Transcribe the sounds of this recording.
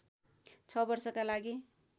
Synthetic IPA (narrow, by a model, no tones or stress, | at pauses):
t͡sʰʌbʌrsʌkalaɡi